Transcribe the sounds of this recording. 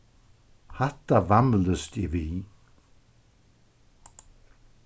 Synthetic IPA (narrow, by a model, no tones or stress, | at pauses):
hɛht̪avamləst̪ivi